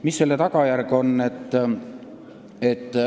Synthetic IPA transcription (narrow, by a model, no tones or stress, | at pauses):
misːelːet̪ɑɡ̥ɑjærɡo̞nːe̞t̪ː | et̪ːˑ